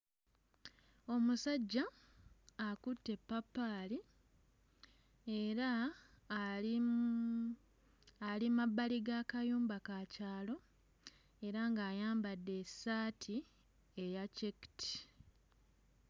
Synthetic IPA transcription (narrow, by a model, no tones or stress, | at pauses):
o̞musaɟːaː | kutːe̞pːapːali | e̞ɾa | i | alimaβaliɡakajuːmbakacaːlo̞ | e̞ɾaŋɡaːjaːmbadːe̞saːtʰi | e̞jacekti̥